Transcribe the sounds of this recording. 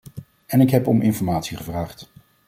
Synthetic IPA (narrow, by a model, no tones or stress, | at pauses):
ɛnɪkɦɛpɔmʔɪnfɔɹmaːtsiχəvraːχt